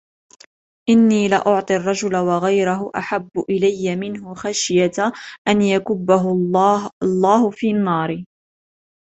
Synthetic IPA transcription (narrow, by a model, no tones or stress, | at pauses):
ʔɪnːiːlɪʔʊʕt̪ˤɨrˤːɑd͡ʒʊlawaɣajɾʊɦʊʔaħabːʊʔɪlajːamɪnɦʊxaʃjat̪ʔanjakʊbːaɦʊ | lˤːɑːhʊfiːnːɑːɾ